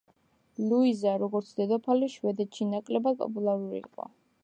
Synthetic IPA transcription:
luizaɾɔɡɔɾt̪sʰd̪ɛd̪ɔpʰaliʃwɛd̪ɛt̪ʃinakʼlɛbad̪̚pʼɔ̰pʼulˠaɾuɾḭḭqʼɔ̰

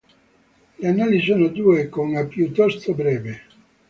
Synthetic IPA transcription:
leanːaːliis̬oːnod̪uːekounapjut̪ːɔst̪obɾɛːve

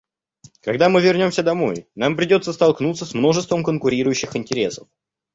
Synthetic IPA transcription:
kɐɡd̪amɨvʲɪrnʲo̞msʲəd̪ɐmo̞̰jnampɾʲɪdʲo̞t̪səst̪ɐlˠknut̪səsmno̞ʐɨst̪vəmkənkʊɾʲiɾʊjʉɕːɪxɪnʲtʲɪɾʲe̞səf

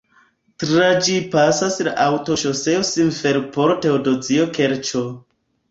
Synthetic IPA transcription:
tɾad͡ʒipasasla̰ʔawtoʃoseosinfeɾpoɾteodod͡ziokeɾt͡ʃo

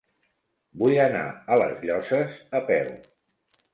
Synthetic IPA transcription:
bujəna̰ələzʎɔsəzəpɛw

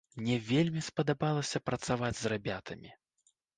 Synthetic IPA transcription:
mnʲɛvʲelʲmʲispɐd̪abalˠɐsʲɐpɾɐt̪savad͡zʲzrabʲat̪ʰɐmʲi

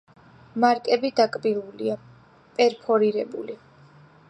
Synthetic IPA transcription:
maɾkʼɛbid̪akʼbilulia | pʼɛɾpʰɔɾiɾɛbṵli

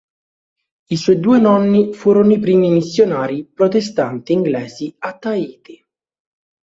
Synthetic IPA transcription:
iswɔjd̪uːenɔnːifuːɾonoipɾiːmimisːjonaːɾipɾot̪est̪ant̪iːŋɡlɛːziat̪ːaiːt̪i

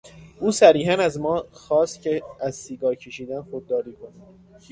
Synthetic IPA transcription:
ʔuːsæɾiːɦænæzmɒːxɒːst̪cʰeæzsiːɡɒːɾcʰeʃiːd̪ænxod̪ːɒːɾiːkʰonæ̥

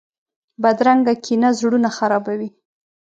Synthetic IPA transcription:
bad̪ɾaŋɡakʰinazɽunaxaɾɑbawi

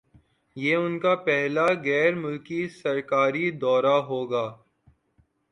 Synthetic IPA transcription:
jeːʊnkapɛɦlaɣɛːɾmʊlkisɐɾkaːɾid̪ɔːɾaɦoːɡaː

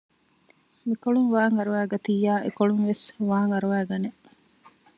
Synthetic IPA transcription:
mikoɭuŋʋaːŋɐɾuʋæːɡɐt̪iːaːʔḛkoɭuŋʋesʋaːŋɐɾuʋæːɡɐne

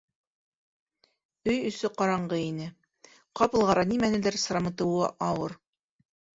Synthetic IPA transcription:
ɵjɵ̆sɵqɑɾɑɴɢɤinɘ | qɑpɤ̆lˠʁɑɾɑnimænɘ̆lɘɾsɾɑmɤ̆t̪ɤ̆wɑ̰ʔɑwɤɾ

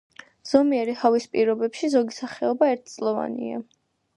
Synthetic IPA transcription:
z̥ɔmiɛɾihavispʼiɾɔbɛpʃizɔɡisaχɛɔbaɛɾt̪̚ʰt̪sʼlˠɔva̰nḭa̰

